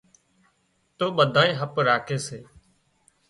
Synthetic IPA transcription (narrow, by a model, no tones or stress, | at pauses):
t̪oːɓəd̪ʱãːĩːɦəpɾaːkʰeːseː